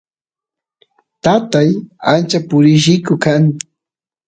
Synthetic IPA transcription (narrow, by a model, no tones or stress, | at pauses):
t̪at̪ajant͡ʃapʊɾɪʃɪkʊkaŋ